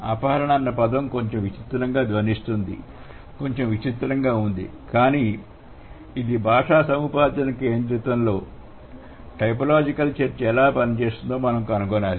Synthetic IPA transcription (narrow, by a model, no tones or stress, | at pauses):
aːpaːɾɐɳɐːnːɐpɐd̪ɐmko̞ɲt͡ʃe̞mʋit͡ʃit̪ɾɐŋɡaːd̪ʋɐnist̪und̪ḭ | ko̞ɲt͡ʃe̞mʋit͡ʃit̪ɾɐŋɡaːund̪ḭ | kaːniː | id̪ibʱaːʂaːsɐmupaːd̪ɐnɐke̞ːnd̪ɾit̪ʋɐnlo̞ː | ʈɐjp̬ɐlaːd͡ʒikɐlt͡ʃeɾt͡ʃɛlaːpɐnit͡ʃe̞ːst̪und̪oːmɐnɐmkɐnukɔnaːli